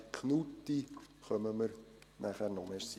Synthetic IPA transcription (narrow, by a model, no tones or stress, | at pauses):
kʰnut̪ːi | χœməməɾnʔæχærnɔmeɾs